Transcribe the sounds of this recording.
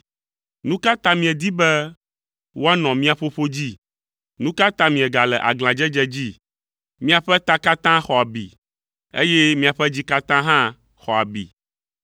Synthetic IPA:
nũ˦ka˦t̪ã˦mĩ˨ɛ̃˨d̪i˦bɛ˦ | wo˦a˦nɔ̃˨mĩ˦a˨ɸo˦ɸo˦d͡ʑi˦ | nũ˦ka˦t̪ã˦mĩ˨ɛ˨ɡa˨lɛ˨ʔa̰˨ɡl̃ã˨d͡ʒɛ˦d͡ʒɛ˦d͡ʑi˦ | mĩ˦a˨ɸɛ˦t̪a˦ka˦t̪ã˦xɔ˨a˨bḭ˨ | ḛ˦jɛ˦mĩ˦a˨ɸɛ˦d͡ʑi˦ka˦t̪ã˦ɦã˦ | xɔ˨a˨bḭ˨

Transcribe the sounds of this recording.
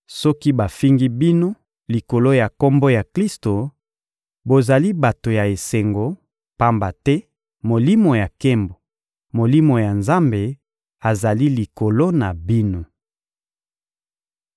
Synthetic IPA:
sɔ˦ki˦ba˨fi˦ŋɡi˦bi˦no˦ | li˨ko˨lo˦ja˨ko˦mbo˦ja˨kli˦sto˨ | bo˨za˨li˦ba˨to˨ja˨e˨se˨ŋɡo˨ | pa˦mba˨tɛ˦ | mo˨li˦mo˨ja˨ke˦mbo˨ | mo˨li˦mo˨ja˨nza˦mbe˨ | a˨za˨li˦li˨ko˨lo˦na˨bi˦no˦

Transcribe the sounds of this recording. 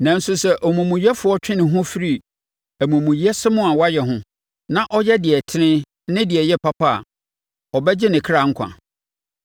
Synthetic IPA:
nã˨n̩˦sʊ˨sɛ˦ʔɔ˨mũ˨mũ˨ji˦ɛ˦fʊ˨˦ɔ˦t͡ɕᶣɪ̃˦nɪ̃˨ɦʊ̃˦fi˦ɾi˦˨ | æ˨mũ˨mũ˨ji˨ɛ˦sɪ˦mʊ̃˦a˨wa˦jɛ˨ɦʊ̃˦ | nã˦ʔɔ˦jɛ˦dɪ˨ɛ˨tʰɪ˦nɪ̃˦ | nɪ̃˦dɪ˨ɛ˨jɛ˦pʰa˦pʰa̰˦˨ | ɔ˨bɛ˦d͡ʑɪ˦nɪ̃˨kʰɾa˨ŋ̩˦kʷʰã̰˨

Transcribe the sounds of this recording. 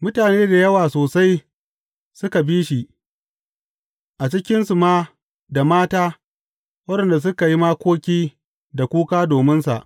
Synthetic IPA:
mʊ˦taː˨neː˦da˨jɐ˦waː˨soː˨sa˦j | sʊ˦ka˨biː˦ʃi˨ | ʔa˨t͡ʃɪ˦kʲɪ˦nsu˨maː˦ | da˨maː˦taː˦ | wɐ˦dɐ˨nda˨s̬ʊ˦ka˨ji˦maː˦kʷoː˦kʲiː˦ | da˨kʷuː˦kaː˦doː˨mɪ˦nsa̰˨ʔ

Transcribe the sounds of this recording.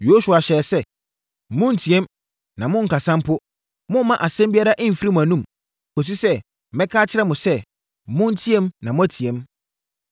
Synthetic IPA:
jo˦su˨a˨ɕɛ˨sɛ˦ | mʊ̃˦n̩˨tʰi˨ɛ̃˦m | nã˨mʊ̃˦ŋ̩˨ka˨sã˦mpʰʊ˦ | mʊ̃˦mã˦ʔa˨sɛ̃˦mbi˦a˦ɾa˦ʔɪ̃˦m̩˨fi˦ɾi˦mʊ̃˨æ˨nũ˦˨m | o˨s̬u˦sɛ˦˨ | mɛ̃˦kʰaː˦t͡ɕʰɪ˦ɾɛ˦mʊ̃˨sɛ˦ | mʊ̃˦n̩˦tʰi˦ɛ˦mnã˨mʊ̃˦æ˨˦tʰi˨ɛ̃˨˦m

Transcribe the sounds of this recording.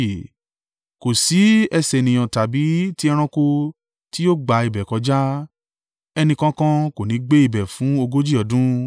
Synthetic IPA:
ko˨si˨˦ɛ˧sɛ˨nĩ˨j̃ɔ̃˨ta˨bi˨˦ti˦ɛ˧ɾ̃ã˧ko˧ | ti˦jo˦˨ɡ͡ba˨˧i˨bɛ˨kɔ˧˦d͡ʒa˦ | ɛ˧nĩ˧kã˦kã˦ko˨nĩ˨˦ɡ͡be˦i˦˨bɛ˨fũ˨˦o˧ɡo˦d͡ʒi˦˨ɔ˨˦dũ˦

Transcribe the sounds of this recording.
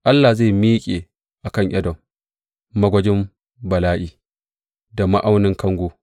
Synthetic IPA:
ʔa˦lːa˨ze˦˨miː˦kʲʼeː˨ | ʔa˨kɐ˦ɲʔɐ˦dɔ˨m | mɐ˦ɡʷɐ˦d͡ʒɪ˦m | bɐ˨laː˦ʔiː˨ | da˨ma˦ʔa˦wnɪ˦ŋkɐ˦ŋɡʷoː˦

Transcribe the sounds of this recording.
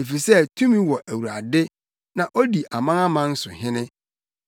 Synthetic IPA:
e˨fi˨sɛ˦tʰũ˦mĩ˦wɔ˨ʔæ˨wu˨ɾa˨dɪ˦ | nã˨ʔo˦di˨ʔa˨mã˦ŋa˦mã˦n̩˦sʊ˨ɦɪ̃˦nɪ̃˦

